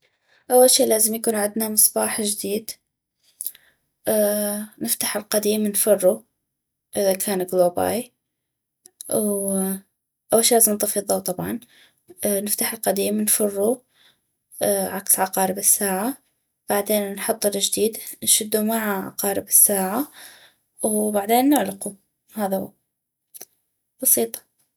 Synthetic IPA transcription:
ʔawːalʃiːlaːzɪmjakuːnʕɪd̪namɨsˤbɑːħʒd̪iːd̪ | nɪft̪aħɪlqad̪iːmnfɑrˤːu | ʔɪðakʰaːnɡloːba̰ːj | w | ʔawːalʃiːlaːzɪmnt̪ˤɨfɨðˤɑwt̪ˤɑbʕɑ̰n | nɪft̪aħɪlqad̪iːmnfɑrˤːu | ʕaksʕɑqɑːɾɪbɪsːaːʕa | b̥aʕd̪eːnnħʊt̪ˤːlɪd͡ʒd̪iːd̪nʃɪd̪ːumaʕaʕɑ̰qɑːɾɪbɪsːaːʕa | wbaʕd̪eːnːɪʕlɪqu | haːða | b̥ɑsiːt̪ˤɑ̥

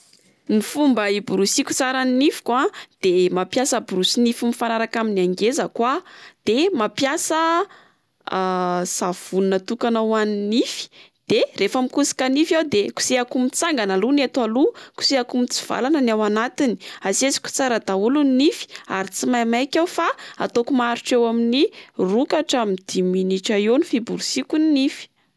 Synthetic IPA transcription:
nifumbəibuɾusikʲu̥t͡saɾaninifi̥kwad̪̥emapjasəbuɾusinifimifanaɾakaminaŋɡezəkwad̪̥emapjasə | sav̥unnət̪ukanawaninifi̥ | d̪̥erefamikusi̥kanifjawd̪eku̥seakumit͡saŋɡanalunet̪waluku̥seakumit͡si̥v̥a̰lanənawanat̪ini̥asezi̥kʲu̥t͡saɾəd̪auluninifi̥a̰ɾit͡simajmajkʲawfaa̰t̪okumaɾuʈ͡ʂewaminirukaʈ͡ʂamid̪̥iminiʈ͡ʂaewnifibuɾusikuninifi̥

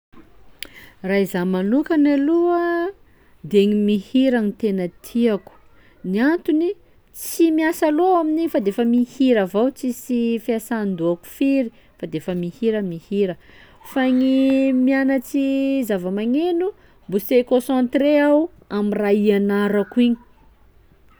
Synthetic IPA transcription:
raizamanukanaluə | d̪eŋimihiɾanit̪enət̪ʰiaku̥ | niant̪uni | t͡simiasaloaminifad̪efəmihiɾavawt͡sisifiasand̪uaku̥fiɾi | fad̪efəmihiɾəmihiɾə | faɲimianat͡sizavəmaɲenu | mbusekosãnt̪ɾeaw | amiraianaɾakuiɲi̥

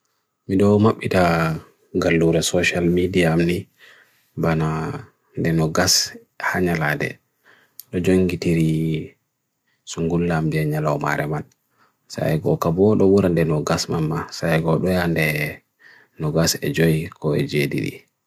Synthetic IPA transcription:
miɗɔwmaɓːita | ɡalːuɾɛsɔʃalmidiaːmni | bana | ndɛnɔɡas | haɲaladɛ̰ | ɗɔd͡ʒoŋɡitiɾi | suŋɡulːambiɛɲalawma̰ɾɛ̰man | sa̰jɡɔ̰kabɔɗɔɓuɾandɛnɔɡasmamːasajɡɔɗɔjandɛ | nɔɡasɛ̰d͡ʒojkɔɛ̰d͡ʒedḭɾḭ

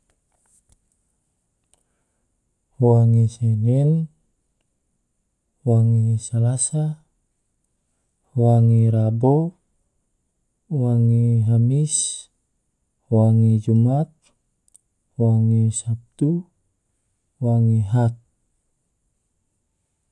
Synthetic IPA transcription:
waŋisɛnɛn | waŋisalasa | waŋiɾabo | waŋiɦamis | waŋid͡ʒumat̪̚ | waŋisap̚t̪u | waŋiɦat̪̚

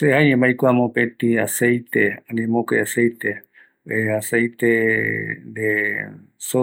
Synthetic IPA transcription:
seaɲẽmbajkʷamõpẽt̪iasejt̪eãnẽmõkḛasejt̪e | easejt̪e | d̪e | so

